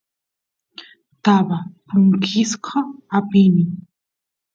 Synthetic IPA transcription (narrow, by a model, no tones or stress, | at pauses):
t̪abapʊŋkʰɪsqʰɑapɪmɪ